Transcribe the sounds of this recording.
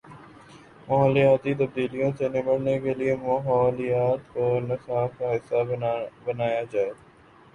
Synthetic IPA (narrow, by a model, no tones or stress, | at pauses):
mɐɦəːlijaːt̪it̪ɐb̚d̪iːlijõsenɪməɽ̤nekeliemɐɦɔːlijaːt̪ɔːɾnɐsaːkaːɦɪsabənaːjad͡ʒaːeː